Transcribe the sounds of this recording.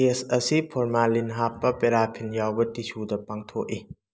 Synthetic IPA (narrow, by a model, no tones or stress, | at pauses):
esɐsipʰoɾmalinɦapːɐpeɾapʰinjawbɐtisudɐpaŋt̪ʰoʔi